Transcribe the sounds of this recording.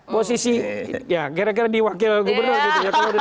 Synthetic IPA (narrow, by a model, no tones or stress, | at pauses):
posisijakiɾak̬iɾadiwakɪlɡubərnurk̪it̪ud͡ʒak̪aad